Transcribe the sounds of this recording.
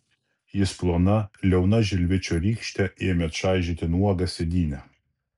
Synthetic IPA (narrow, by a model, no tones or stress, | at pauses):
jɪsplˠoːnɐlʲɛʊnɐʒʲɪlʲʋʲɪt͡ʃʲoːɾʲiːkʃʲt̪ʲɛʔɪmʲɛt̪ʃɑˑɪʒʲɪt̪ʲɪnuɔɡɐsʲɛd̪ʲiːnʲɛ